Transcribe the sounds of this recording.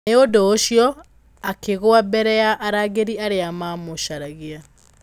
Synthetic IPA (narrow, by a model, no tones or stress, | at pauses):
eodoːɕjɔ | akeɣoabɛɾɛjaʔaɾaɣeɾiaɾeamamoɕaɾaɣea